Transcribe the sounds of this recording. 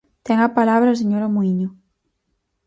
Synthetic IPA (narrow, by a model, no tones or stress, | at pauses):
t̪ɛŋapalaβɾas̬eɲoɾamuiɲo